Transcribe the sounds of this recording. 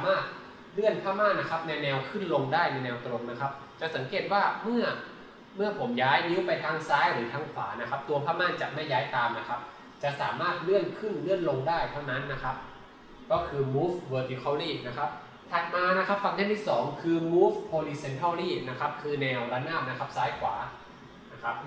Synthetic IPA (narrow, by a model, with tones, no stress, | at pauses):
saː˦maː˥˩t̪̚ | lɯ˥˩ənpʰaː˥˩maː˥˩nːa˦˥kʰa˦˥p̚nɛː˧wnɛː˧wkʰɯ˥˩nlo˧ŋdaː˥˩jnɛ˧nɛː˧wt̪ɾo˧ŋna˦˥kʰa˦˥p̚ | t͡ɕa˨˩ʔsa˩˦ŋkeː˨˩t̪̚waː˥˩mɯ˥˩ɐ | mɯ˥˩ɐpʰo˩˦mjaː˦˥jni˦˥wpa˧jt̪ʰaː˧˥ŋsaː˦˥jɾɯː˩˦t̪ʰaː˧ŋkʰa̰ː˩˦na˦˥kʰa˦˥p̚t̪u˧ɐpʰaː˥˩maː˥˩nt͡ɕa̰˨˩ʔma˥˩jːaː˦˥jt̪aː˧mna˦˥kʰa˦˥p̚ | t͡ɕa˨˩ʔsaː˩˦maː˥˩t̪̚lɯ˥˩ənkʰɯ˥˩nlɯ˥˩ənlo˧ŋdaː˥˩jt̪ʰa˥˩wna˦˥nːa˦˥kʰa˦˥p̚ | kɔː˥˩kʰɯː˧muː˦˥fwɤː˧t̪i˧˥kʰɔː˧˩liː˥˩na˦˥kʰa˦˥p̚ | t̪ʰa˨˧˩t̪̚maː˧na˦˥kʰa˦˥p̚fa˧ŋt̪ʰa˥˩nt̪ʰiː˥˩sɔː˩˦ŋkʰɯː˧muː˦˥fpʰoː˧liː˧se˧nt̪ʰaː˥˩wɾiː˥˩na˦˥kʰa˦˥p̚kʰɯː˧nɛː˧wɾa˧˥naː˥˩m̚na˦˥kʰa˦˥p̚saː˦˥jkʰwa̰ː˩˦ | na˦˥kʰa˦˥p̚